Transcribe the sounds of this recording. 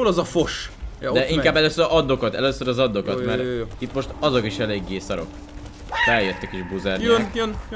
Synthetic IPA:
oːlɒzɒfo̞ʃd̪ɛʔiŋkaːbːɛløːsøɾʔɒd̪ːo̞kɒt̪ɛløːsøɾɒzɒd̪ːo̞kɒt̪mɛɾit̪mo̞ʃt̪ɒzo̞kiʃɛleːɡːeːsɒɾo̞̰k | fɛljøt̪ːɛkeːʒbuːzaːrnijn

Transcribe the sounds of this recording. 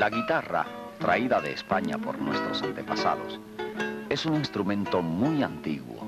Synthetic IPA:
laɣit̪ara̰ | t̪ɾaiðaðe̞ːspaɲa̰po̞̰ɾnwe̞st̪ɾo̞sant̪e̞pasa̰ðos | e̞suŋinst̪ɾumẽ̞nt̪omujant̪iɣwo̰

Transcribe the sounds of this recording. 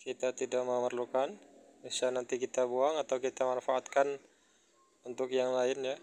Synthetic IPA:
kit̪at̪idaʔməmərlukan | bisanant̪ikit̪abuaŋat̪awkit̪amanfaʔːt̪kan | unt̪ʊkjaŋlaɪnja

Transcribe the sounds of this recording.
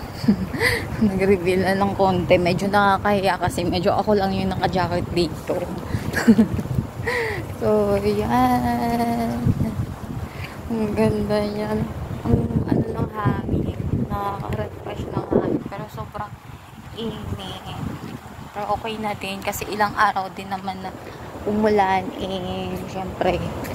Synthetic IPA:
nɐɡɾɪbɪlɐnɐŋko̞nt̪ɛmɛːd͡ʒo̞nɐkakɐhɪjakɐsɛmɛːd͡ʒo̞ʔɐko̞lɐŋjʊŋnɐŋkɐd͡ʒaːkɪt̪̚d̪iːt̪o̞ | soja | n | ɐŋɡɐnd̪aɲanʔɐŋʔɐ̰nolɐŋhaːmɪnɐakɐ̰ɾɐnpɐʃanɐŋamɪpɛːɾo̞soːbɾɐŋ | ʔinɛ | pɐʔokɛjnɐd̪ɪnkɐsɛʔɪlaŋʔaːɾɐwd̪ɪnːɐmanːɐʔʊmʊlaʔnʔɛʃɛmpɾɛ

